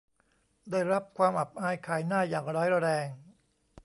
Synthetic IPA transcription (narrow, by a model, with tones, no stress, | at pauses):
daː˥˩jɾa˦˥p̚kʰwaː˧mʔa˨˩p̚ʔaː˧jkʰaː˧˩jnaː˥˩jaː˨˩ŋɾɔː˦˥jɾa˧ɾɛː˧ŋ